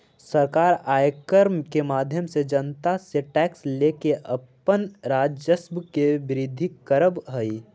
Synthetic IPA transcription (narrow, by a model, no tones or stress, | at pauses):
səɾkaːɾaːjkəɾmkemaːd̪ʱjəmsed͡ʒənt̪aseʈɛːksleːkeʔɐpənɾaːd͡ʒjəsbkeʋɪɾɪd̪ʱːikəɾəbɦəi